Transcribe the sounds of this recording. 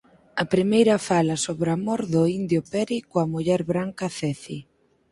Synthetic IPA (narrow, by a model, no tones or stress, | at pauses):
ɐpɾimejɾɐfalɐsoβɾamoɾðʊind̪jopɛɾikoɐmuʎɛɾβɾaŋkɐθɛθi